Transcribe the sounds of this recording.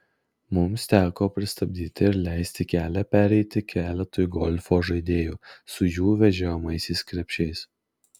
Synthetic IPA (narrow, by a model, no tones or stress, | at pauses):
mʊmst̪ʲæːkoːpʲɾʲɪst̪ɐbʲd̪ʲiːt̪ʲɪɪɾlʲæˑɪsʲt̪ʲɪkʲæːlʲɛpʲæɾʲɛɪt̪ʲɪkʲæːlʲɛt̪oːjʊɡɔlʲfoːʒɐɪd̪ʲeːjuːsʊjuːʋʲɛʒʲɛmɐɪsʲɛɪskɾʲɛpʲʃʲɛɪs